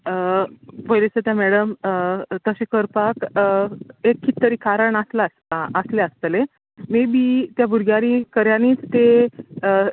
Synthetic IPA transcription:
bəjlet͡sət̪jamɛɽəmt̪əɕikəɾpak | ekʰːit̪t̪əɾiːkʰaɾəɳaslastaəsleəst̪le | mibit̪jabʱuɾɡjaɾikəɾjaniːt͡st̪e

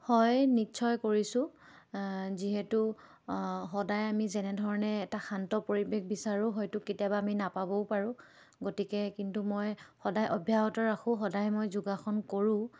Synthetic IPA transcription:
hɔjnitːt͡ʃʰɔjkoɹisʊ̃ | ziɦɛtu | xɔdajamizɛnɛdʱɔɹɔnɛːtaxantɔpoɹibexbisaɹʊ̃ɦɔjtʊketijabaːminapabɔwpaɹʊ̃ | ɡotikɛkintumojxɔdajʔɔbʱjaɦɔtɔɹaxʊ̃xɔdajmojzuɡaxɔnkoɹʊ̃

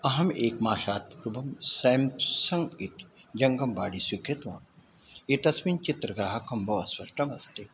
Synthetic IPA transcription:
ɐɦɐmeːkmaːʃaːt̪̚puːɾbɐmseːmsɐ̃ŋɡit̪d͡ʒɐŋɡɐmbaːɽisʋikɾɪt̪ʋa̰ːn | it̪ɐsmint͡ʃit̪ɾɐɡɾaːɦɐkɐmbʱɐʋɐsʋɐʃʈɐmɐst̪e

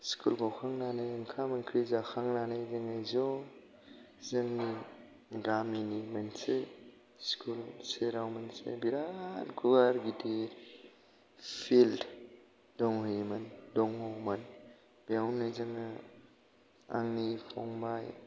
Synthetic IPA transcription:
skʰulɡɔwkʰaŋnanajŋkʰamɯnkʰɾizaxʰaŋnanajzɯŋɯjzɔ | zɯŋni | ɡaminimanse | skʰulseɾawmansḛbiɾankʰubaɾɡitʰe | fʰild | dɔŋɦujmandɔŋhɔwman | biawnɯjzɯŋɯ | a̰ŋnipʰɔ̰ŋbaj

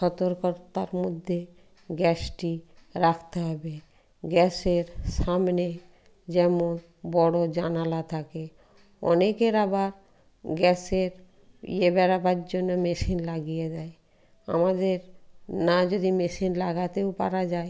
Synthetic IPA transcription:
ʃɔt̪oɾkɔɾt̪aɾmod̪ʱːe | ɡɛsʈiɾakʰt̪eɦɔbe | ɡɛseɾʃamne | d͡ʑɛmon | bɔɽod͡ʑanalat̪ʰake | ɔ̰nekeɾabaɾ | ɡɛseɾ | ḭebɛɾabaɾd͡ʑonːomeʃinlaɡijad͡ʑae | a̰mad̪eɾnad͡ʑod̪imeʃinlaɡat̪eopa̰ɾad͡ʑae

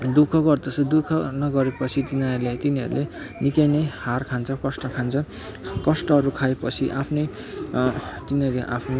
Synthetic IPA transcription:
d̪ukʰʌɡʌrd̪ʌsʌd̪ukʰʌnʌɡʌɾepʌt͡sʰit̪inaʌɾulet̪iniʌ̰ɾṵlʔenikajneharkʰant͡sʰʌkʌsʈʌkʰant͡sʰʌ | kʌsʈʌʌɾukʰaepʌt͡sʰiʔapʰnʌj | t̪inʌɾleʔa̰pʰn

